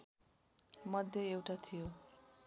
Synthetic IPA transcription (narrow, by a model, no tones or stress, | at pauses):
mʌd̪ʱjʌewʈat̪ʰijo